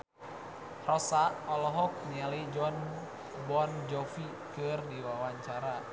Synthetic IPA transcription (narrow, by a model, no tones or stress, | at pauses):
rɔsaʔɔlɔɦɔk̚nialid͡ʒɔn | bɔnd͡ʒɔfi | kɨrdiwawaɲt͡ʃaɾa